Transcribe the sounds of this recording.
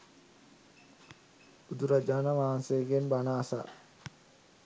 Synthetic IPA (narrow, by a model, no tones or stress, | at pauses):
ud̪uɾad͡ʒaːnaʋaːnsejəɡenbanaːsa̰